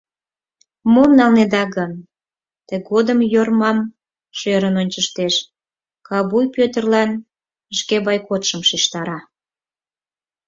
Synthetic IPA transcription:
momnɑlned̪ɑɣən | t̪eɡod̪əmjormɑm | ʃøɾənonʲt͡ɕəʃt̪eʃ | kɑbujpøt̪ərlɑn | əʃkebɑjkot̪ʃəmʃiʃt̪ɑɾɑ

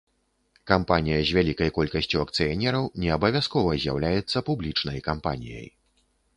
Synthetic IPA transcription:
kampanʲijɐzʲvʲalʲikɐjkɔlʲkɐsʲt͡sʲuɐk̚t̪sɨjanʲɛɾɐwnʲɛɐbɐvʲjaskɔvɐzʲja̰wlʲajɛt̪sːɐpublʲit͡ʂnɐjkampa̰nʲḭjɐ̰j

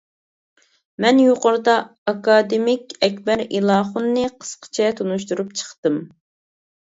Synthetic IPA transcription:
mɛnjoqʊɾɨd̪ɑː | kɑːd̪ɪmɪkʲɛkʲbɛɾilˠɑːχʊnːɨqʰə̥sqʰə̥t͡ʃʰɛt̪ʰonuʃt̪uɾupt͡ʃʰə̥χt̪ɨm

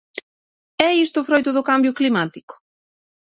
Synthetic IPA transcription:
ɛist̪ʊfɾojt̪ʊðʊkambjʊklimat̪i̥kʊ̥

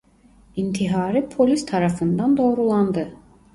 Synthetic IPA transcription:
int̪ʰiɦaːɾɯpʰo̞lʲist̪ʰaɾafɯnd̪and̪o̞ːɾulˠand̪ɯ

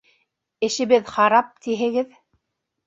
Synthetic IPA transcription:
ɘ̆ʃɘ̆βɘðχɑɾɑp̚t̪iɦɘ̆ɡɘð

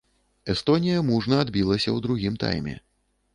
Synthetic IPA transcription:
ɛst̪ɔnʲijɐmuʐnɐad̪bʲilˠɐsʲɐwd̪ɾuɣʲimt̪a̰jmʲɛ̰

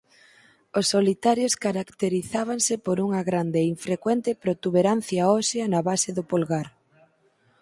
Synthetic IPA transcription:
osːolit̪aɾjoskaɾakt̪eɾiθaβ̞aŋsɪpoɾuŋɐɣɾand̪eiɱfɾekwɛnt̪ɪpɾot̪uβeɾan̟θjaɔsjɐnɐβaseðʊpolɣaɾ

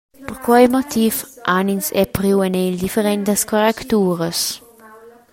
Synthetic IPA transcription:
pəɾkwajmot̪ifʔaninsɛpɾiwenɛjld̪ifeɾɛnt̪əskoɾɛkt̪uːɾəs

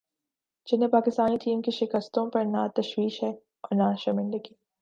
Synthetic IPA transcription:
d͡ʒɪnɦẽpaːkɪst̪aːniʈiːmkiʃɪkəst̪õpɐɾnat̪ɐʃwiːʃɦɛː | ɔːɾnaʃɐmɪ̃ndəɡiː

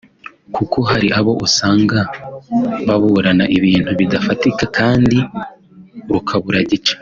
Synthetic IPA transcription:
kʰuko̞ɦaɾiʔaβo̞ʔusaːŋɡa | βaβuɾanaʔiβiːn̥huβidafatikakʰaːndi | ɾukʰaβuɾaɟit͡ʃḁ

